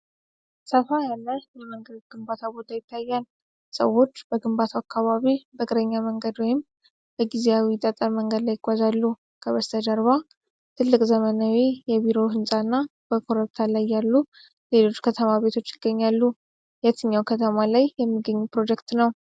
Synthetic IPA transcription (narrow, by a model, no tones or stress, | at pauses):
səfajalːəjɛməŋɡət̪ɡ̥ɨmbat̪ʰabo̞t̪ʰajɪt̪ʰːajːal | sə̰wːo̞t͡ʃːb̥əɡɨmbat̪ʰaakːaβaβibəkʼɨɾəɲːaməŋɡəd̪wɔjɪm | b̥əɡizeawiɪt̪ʼət̪ʼəɾməŋɡəd̪lajɪɡ̥ʷazalːu | kʰəβəst̪ʰəd̪əɾβa | t̪ʰɨlːɨkʼzəmənawijɛβiɾo̞ɦɨnsʼanːab̥əkʰoɾəβt̪ʰalajːalːu | le̞lo̞t͡ʃːkʰət̪ʰəmaβe̞t̪ʰo̞t͡ʃːɪɡ̥ːəɲːalːu | jat̪ʰɨɲːawkʰət̪ʰəmalajːɛmːiɡəɲːupɾo̞d͡ʒɛkt̪nəw